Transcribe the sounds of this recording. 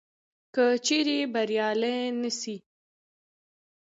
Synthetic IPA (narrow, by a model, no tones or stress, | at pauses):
kət͡ʃeɾebaɾjɑlejnəsi